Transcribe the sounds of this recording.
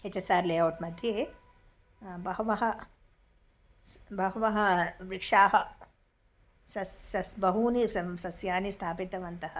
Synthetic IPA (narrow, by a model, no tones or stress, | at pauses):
et͡ʃɐsaːɾleːɐwʈmɐd̪ʱjeː | bɐɦɐʋɐɦɐ̆ | bɐɦuʋɐɦɐɾɪkʂaːɦɐ̆ | sɐsɐsbɐɦuːnissɐsjaːnist̪ʰaːpit̪ɐʋɐnt̪ɐɦɐ̆